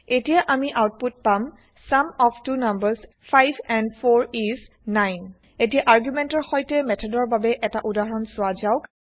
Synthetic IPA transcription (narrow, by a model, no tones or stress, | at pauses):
etijaʔamiʔawt̚put̚pam | samɔptunambəɹs | pʰajbʰɛ̃ndpʰoɹizː | ajn | et̬ijaʔaɹɡjumɛntɔɹxojtɛmɛtʰɔdɔɹbabɛʔɛtaʔudaɦɔɹɔnsʊazaʊk